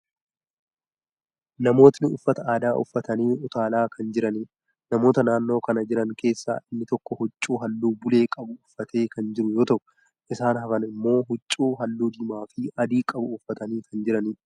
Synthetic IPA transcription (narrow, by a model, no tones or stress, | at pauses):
nɐmo̞ːt̪nɪʊfːɐt̪ɐaːd̪aːʔʊ̰fːɐt̪ɐniːʔʊt̪aːlaːkʰɐnd͡ʒɪɾɐni | nɐmo̞ːt̪ɐnaːnːo̞ːkɐnɐd͡ʒɪɾɐŋke̞ːsːa̰ːʔɪnːɪt̪ɔkːɔhʊt͡ʃʼːuːɦɐlːuːbʊle̞ːkʼɐbʊʊfːɐt̪ʰe̞ːkɐnd͡ʒɪɾʊjo̞ːt̪ɐʔʊ | ʔɪsaːnɦɐfɐnɪmːo̞ːɦʊt͡ʃʼːuːɦɐlːuːd̪ɪmaːfɪɐd̪iːkʼɐbʊʊfːɐt̪ɐniːkʰɐnd͡ʒɪɾɐniː